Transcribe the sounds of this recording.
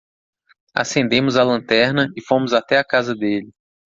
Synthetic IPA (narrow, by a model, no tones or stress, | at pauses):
a̰sẽnd̪ẽmʊzalɐ̃nt̪ɛɾnɐɪfõmʊzat̪ɛakazɐd̪elɪ